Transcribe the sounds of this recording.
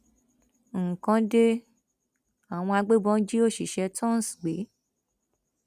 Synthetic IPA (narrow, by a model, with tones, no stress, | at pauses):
ŋ̩˨kã˧de˦ | a˨w̃ɔ̃˧a˧ɡ͡be˦bɔ̃˦n̩˦d͡ʒi˦o˦˨ʃi˨ʃɛ˧tʰɔ̃˦n˨sɡ͡be˨˦